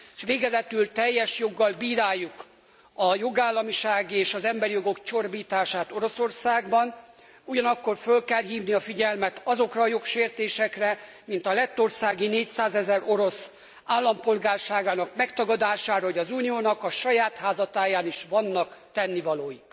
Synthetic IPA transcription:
eʃʋeːɡɛzɛt̪ylt̪ɛjːɛʃjo̞ɡːɒlbiːɾaːjːuk | ɒjo̞ɡaːlːɒmiʃaːɡieːʃɒzɛmbɛɾijo̞ɡo̞kt͡ʃo̞rbiːt̪aːʃaːt̪o̞ɾo̞so̞rsaːɡbɒn | uɟɒnɒkːo̞rfølkɛlɦiːvniɒfiɟɛlmɛt̪ɒzo̞krɒːjo̞kʃeːrt̪eːʃɛkrɛ | mint̪ɒlɛt̪ːo̞rsaːɡineːcsaːzɛzɛro̞ɾo̞s | aːlːɒmpo̞lɡaːrʃaːɡaːnɒkmɛkt̪ɒɡɒd̪aːʃaːɾɒɦoɟɒzuːnioːnɒkɒʃɒjaːt̪haːzɒt̪aːjaːniʃʋɒnːɒkt̪ɛnːivɒloːjik

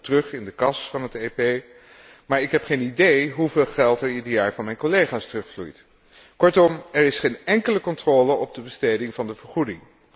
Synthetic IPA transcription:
tərɵχɪndəkɑsfɑnɦəteːpej | maːɹɪkɦɛpχejnidejɦuveːlˠχɛlˠtɛɹidəɹjaːɹvɑnmɛjnkɔlejχaːstərɵχflṵjt | kɔɹtɔmɛɹɪsχenɛŋkələkɔntrɔːləɔb̚dəbəsteːjdɪŋvɑndəvəɹχudɪŋ

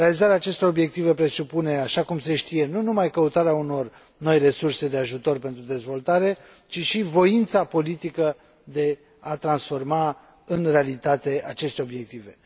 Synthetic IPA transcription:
ɾealizaɾeaːt͡ʃe̞st̪o̞ɾo̞bje̞k̚t̪ive̞pɾe̞supune̞aʃakumse̞ʃt̪ije̞nunumajkəut̪aɾeauno̞r | no̞jre̞surse̞d̪e̞aʒut̪o̞rpe̞nt̪ɾud̪e̞zvo̞lt̪aɾe̞ | t͡ʃiʃivo̞int̪sapo̞lit̪ikə | d̪e̞ | at̪ɾansfo̞rma | ɨnre̞alit̪at̪e̞ʔat͡ʃe̞st̪e̞o̞bje̞k̚t̪ive

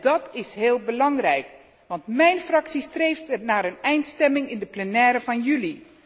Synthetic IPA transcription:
d̥ɑtɪsɦeːlˠbəlɑŋrɛjk | ʋɑntmɛjnfrɑksistrejftənaːɾənɛjntstɛmɪŋɪndəplənɛːɾəvɑnjyli

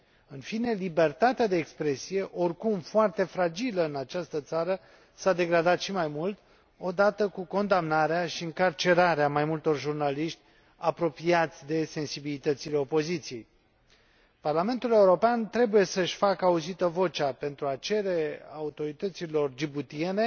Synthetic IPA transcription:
ɨnfine̞libe̞rt̪at̪ead̪e̞ːkspɾe̞sije̞ʔo̞rkumfoart̪e̞fɾad͡ʒiləɨnat͡ʃast̪ət̪saɾə | sad̪e̞ɡɾad̪at̪ʃimajmult̪ | o̞d̪at̪əkuko̞nd̪amnaɾeaʃiɨŋkart͡ʃe̞ɾaɾeamajmult̪o̞rʒurnaliʃt̪ʲ | apɾo̞piat̪sʲd̪e̞se̞nsibilit̪ət̪sile̞o̞po̞zit̪sije̞j | parlame̞nt̪ule̞uɾo̞peant̪ɾe̞buje̞səʃʲfakəauzit̪əvo̞t͡ʃape̞nt̪ɾuat͡ʃe̞ɾe̞aut̪o̞ɾit̪ət̪silo̞rd͡ʒibut̪ie̞ne

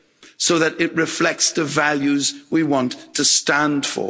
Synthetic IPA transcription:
soʊðəɾɪʔɹɪflɛk̚tsðəvaljʉzwiwɒ̃ntʰɨstæ̃nd̥fə̰

